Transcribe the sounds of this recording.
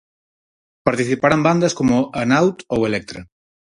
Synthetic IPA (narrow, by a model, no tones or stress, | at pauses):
paɾt̪iθipaɾamband̪ɐskomʊanawt̪owelɛk̚t̪ɾɐ